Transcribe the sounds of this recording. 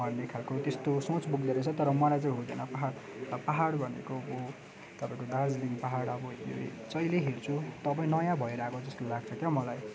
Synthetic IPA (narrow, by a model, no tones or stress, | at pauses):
ʌrnekʰalkot̪est̪osõt͡sbuɡd̪eɾʌt͡sʰʌt̪ʌɾʌmʌlajt͡sʌĩɦũd̪ʌ̰nʌpaɦaɽpaɦaɽbʱʌnḛkobo | t̪ʌpaĩkod̪ãd͡zliŋpaɦaɽʌbʌjo̰t͡sʌjleɦeɽt͡sʰut̪ʌp̬ãĩnʌjãbʱʌeɾakod͡zʌst̪olaɡ̚t͡sʰʌkjʌmʌlaj